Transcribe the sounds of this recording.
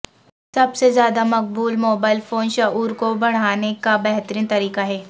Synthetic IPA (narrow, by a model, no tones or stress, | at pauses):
sɐbsezjaːd̪amɐq̚buːlmoːbaːɪlfoːnʃauːɾkobɐɽ̤aːnekabɛɦt̪ɾĩːnt̪ɐɾiːkaɦɛː